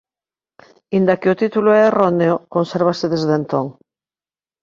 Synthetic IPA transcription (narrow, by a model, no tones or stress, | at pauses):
ind̪akeot̪it̪uloɛeroneokonseɾβ̞aseðezðent̪oŋ